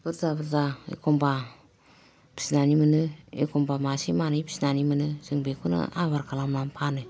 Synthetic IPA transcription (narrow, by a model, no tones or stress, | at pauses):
b̥ɯɾzabɯɾzaḛkomba | pi̥snanimɯnɯḛkombamasimanɯjpi̥sinanimɯnɯzɯŋbekʰunɯ̰aβaɾkʰalamlampʰanɯ